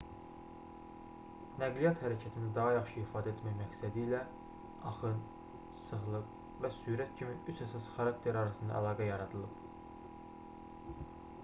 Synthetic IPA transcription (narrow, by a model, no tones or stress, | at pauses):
næɡlijɑt̪hæɾæcʰæt̪ʰinæd̪ɑɦɑjɑχʃɯifɑːd̪æet̪mæjmæksæd̪iːlæ | ɑχɯn | sɯɣlˠɯq | væsyːɾæt̪cʰimiyt͡ʃæsɑsχɑɾɑk̚t̪ʰe̞ɾɑɾɑsɯnd̪ɑ̰æ̰lˠɑːɡæjɑɾɑd̪ɯlˠɯp